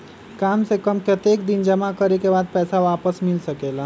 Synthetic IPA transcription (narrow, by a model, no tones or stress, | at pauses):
kaːmsekəmpɾət̪jekd̪ind͡ʒəmakəɾekebaːd̪̚pɛːsaʋaːpəsmɪlsəkela